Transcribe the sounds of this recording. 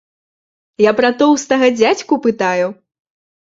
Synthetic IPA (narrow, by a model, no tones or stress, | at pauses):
japɾɐt̪ɔwst̪aɣɐd͡zʲat͡sʲkupɨt̪aju